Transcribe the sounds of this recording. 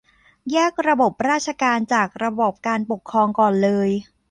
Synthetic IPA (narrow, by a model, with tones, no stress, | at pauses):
jɛː˥˩k̚ɾa˧bo˨˩p̚ɾaː˥˩t̚ʰa˧kaː˧nt͡ɕaː˨˩k̚ɾa˧bɔː˨˩p̚kaː˧npo˨˩kʰːɾɔː˧ŋkɔː˨˩nlɤː˧j